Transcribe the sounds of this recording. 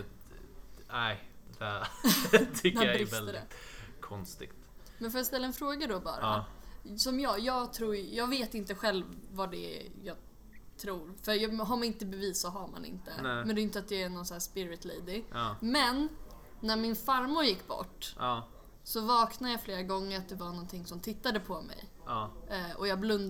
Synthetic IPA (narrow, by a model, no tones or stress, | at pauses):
æɪd̪̥ɛ | t̪ʰʏkːd̪ɛjaɾvɛləd̪ɛ̰kʰɔnst̪ɪ̰ɡ̥t̪ | mɛnfoːjast̪ɛlːaɛnfɾoːɡad̪ɔbɑ̰ːɾa̰ | sɔmjɑːjɑːɡt̪ʰɾuːɾjɑːɡveːt̪ɪnt̪əɧɛlːvːad̪ɛ̰jɑːɡ | t̪ʰɾuːɾfœɾjɑɦaɾmaɪnt̪əbɛviːssɔɦaɾma̰nɪ̰nt̪ə̰mɛnd̪ɛjʏnt̪əat̪̚d̪ɛænɔnsæːʂspɪɾɪt̪lejd̪ɪmɛnː | æɾmɪnfaɾmʊɾjɪkːbɔ̰ʈː | sɔvɑːknad̪əjɑːfleːɾaɡɔŋːəɾat̪̚d̪ɛvaɳɔnt̪ʰɪŋsɔmt̪ʰɪt̪ːad̪əpʰɔmɛ̰j | ɔjɑːɡblɵnd̪